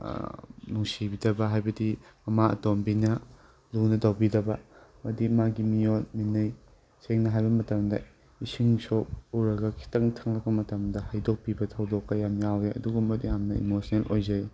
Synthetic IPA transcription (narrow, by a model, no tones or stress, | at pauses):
nuŋsibidɐbɐɦajbɐdimɐmaɐ̰tombinɐ | lunɐtɐwbidɐbɐmɐdimaɡimijotminɐj | seŋnɐɦajbɐmɐtɐmdɐ | isiŋsop̚uwɾɐɡɐkʰi̥tɐŋtʰɐŋlɐk̚pɐmɐtɐmdɐhajdok̚pibɐtʰɐwdokːɐjamjawɾeʔɐ̰duɡumɐtjamnɐḭmosʰnelʔojzɐj